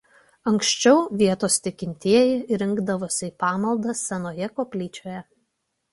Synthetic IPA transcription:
ɐŋkʃʲt͡ʃʲɛʊʋʲiɛt̪oːst̪ʲɪkʲɪnʲt̪ʲiɛjɪɾʲɪŋɡd̪ɐʋoːsʲɪːpɑːmɐlˠd̪ɐssʲɛnoːjɛkoːpʲlʲiːt͡ʃʲoːjɛ

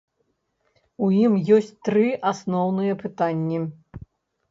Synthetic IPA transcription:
ujimjɔsʲt͡sʲt̪ɾɨʔasnɔwnɨjɛpɨt̪anʲːi

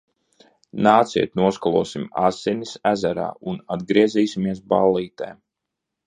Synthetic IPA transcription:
naːt̪sḭɛt̪nuɔskɔlˠuɔsima̰sɛnisæzæɾa̰ːunad̪ɡɾiɛziːsimiɛs̬balːiːt̪ɛ̰ː

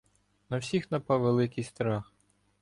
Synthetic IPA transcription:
nɐwsʲixnɐpɑwʋelˠɪkɪjst̪ɾɑx

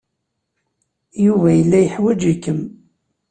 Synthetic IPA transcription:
juvæjəlːæjəħwæd͡ʒikːəm

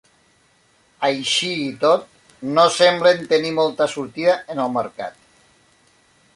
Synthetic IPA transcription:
əjʃiːt̪ot̪̚ | nosɛmblent̪ənimolˠt̪əsuɾt̪iðaənəlˠməɾka̰t̪

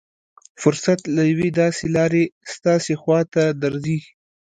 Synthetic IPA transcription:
fʊɾsat̪lajawed̪ɑselɑɾest̪ɑsexwɑt̪ad̪aɾzi

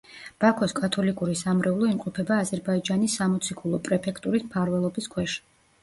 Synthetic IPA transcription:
b̥akʰɔskʼat̪ʰɔlikʼuɾisamɾɛulˠɔimqʼɔpʰɛbaːzɛɾbaid͡ʒanisːamɔt̪sʰikʰulˠɔpʼɾɛpʰɛkʰt̪ʼuɾismpʰaɾvɛlˠɔbiskʰwɛʃi̥

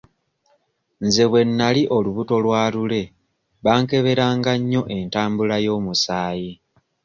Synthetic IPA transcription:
nze̞βwe̞nːaliʔo̞luβuto̞lwaːlule̞ | βaːŋke̞βe̞ɾaːŋɡaɲːo̞ʔe̞ntaːmbulajo̞ːmusaːji

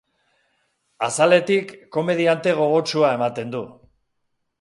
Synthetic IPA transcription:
asale̞t̪ikːo̞me̞ð̞iant̪e̞ɣ̞o̞ɣo̞t͡ʃuae̞mat̪e̞nd̪u

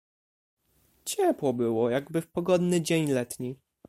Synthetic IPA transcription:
t͡ɕɛpwɔbɘwɔjaɡbɘfpɔɡɔd̪nɘd͡ʑeɲlɛt̪ɲi

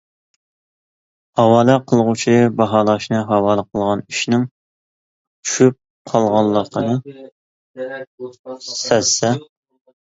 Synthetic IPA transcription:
hɑwɑːlˠɨqʰəlˠʁut͡ʃʰibɑɦɑlˠɑʃnɨɦɑwɑːlˠəqʰəlˠʁɑniʃnɪŋ | t͡ʃʰy̥ʃyp̚ | qʰɑlˠʁɑlˠːəqʰənɨ | sɛsɛ

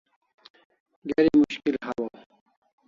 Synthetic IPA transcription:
ɡeɾimuɕkilhɐwo

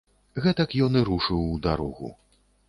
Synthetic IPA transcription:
ɣɛt̪ɐkjɔnɨɾuʂɨwd̪aɾɔɣṵ

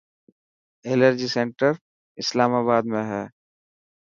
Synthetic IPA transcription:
eːləɾd͡ʒisẽɳʈəɾ | ɪslaːmaːβaːd̪mẽɦɛː

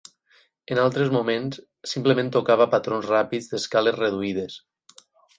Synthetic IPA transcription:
enalˠt̪ɾezmumẽns | simplemẽnt̪okaβ̞apat̪ɾonzrapid͡zðeskalezreð̞uið̞es

